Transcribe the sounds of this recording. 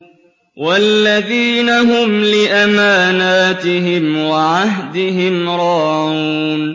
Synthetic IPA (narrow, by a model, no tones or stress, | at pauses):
walːaðiːnaɦʊmlɪʔamaːnaːt̪ɪɦɪmwaʕaɦd̪ɪhɪmɾˤɑuːn